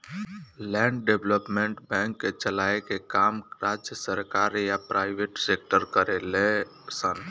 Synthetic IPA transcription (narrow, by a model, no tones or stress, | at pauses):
lɛ̃ɳɖɖebləpmẽɳʈbɛ̃ŋkːet͡ʃəlaekekamɾad͡ʒjəsəɾkaɾjapɾaɪbeʈsek̚ʈəɾkəɾele | sən